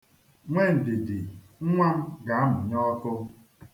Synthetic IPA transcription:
ŋʷe˦n̩˨dɪ˨dɪ˨ | ŋ̩˦ŋʷa˦m̩˦ɡa˨a˦mʊ˨ɲɔ˦tʊ˦

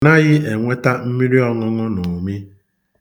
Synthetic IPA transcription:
na˦ɣɪ˦e˨ŋʷe˦ta˦m̩˦mi˦ɾi˦ɔ˨ŋʊ˦ŋʊ˦nʊ˨mi˦

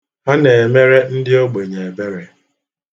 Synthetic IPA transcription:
a˦ne˨e˨me˦ɾe˦n̩˦dɪ˦o˦ɡ͡be˨ɲe˨e˨be˦ɾe˨

